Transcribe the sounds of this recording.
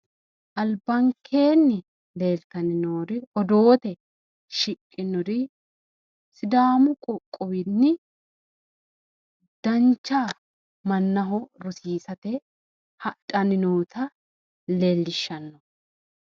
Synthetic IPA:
ʔɐlbɐŋkʰːe̞ːnːɪ | le̞ːlt̪ɐnɪnoːɾɪɔd̪o̞ːt̪ɛ | ʃɪkʼːɪnɔɾɪ | sɪd̪aːmʊkʼɔkʼːɔwɪnːɪ | d̪̥ɐnt͡ʃːaː | mɐnːɐɦɔɾɔsiːsɐt̪ɛ | hɐtʼɐnɪnoːt̪ɐ | leːlːɪʃːɐnːɔ

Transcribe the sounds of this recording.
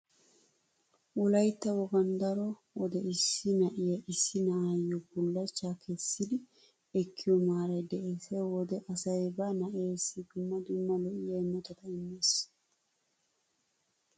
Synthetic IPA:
wɔlɐjt̪ːɐwɔɡɐnd̪ɐɾɔ | wɔd̪ɛɪsːɪnɐʔɪjɐɪsːɪnɐʔajːɔbʊlːɐt͡ʃːaːkʰɛsːɪd̪ɪ | ɛkʰːɪjɔmaːɾɐjd̪ɛʔeːsewɔd̪ɛʔɐsɐjbɐnɐʔeːsːɪd̪ʊmːɐd̪ʊmːɐlɔʔɪjɐjmːɔt̪ɐt̪ɐɪmːeːs

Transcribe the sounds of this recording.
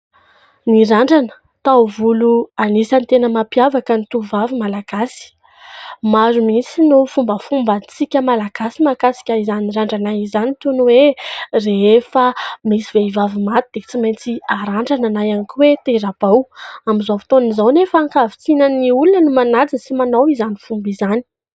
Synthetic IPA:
niɾaɳɖ͡ʐanə̥ | t̪awvuluanisant̪enəmapjavakənit̪uvavimalaɡ̥asi̥ | maɾumit͡sinufumbəfumbant͡sikʲəmalaɡ̥asimakasi̥kʲaizaniiɾaɳɖ͡ʐanajizanit̪unuwereefamisiveivavimat̪ud̪̥et͡simajnt͡siaɾaɳɖ͡ʐananajanikʲiwet̪eɾab̥awamizavi̥t̪onizawnefːŋkavit͡sinaniulunənumanad͡zəsimanawizanifumbizani̥

